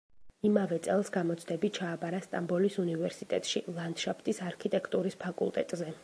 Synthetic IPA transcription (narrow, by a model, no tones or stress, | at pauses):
imavɛt̪sʼɛlˠsɡamɔt̪sʰd̪ɛbit̪̚t͡ʃʰaːbaɾast̪ʼambɔlisunivɛɾsit̪ʼɛt̪ʼʃilˠand̪ʃapʰt̪ʼisaɾkʰit̪ʼɛkʰt̪ʼuɾispʰakʼṵlˠt̪ʼɛ̰t̪ʼzɛ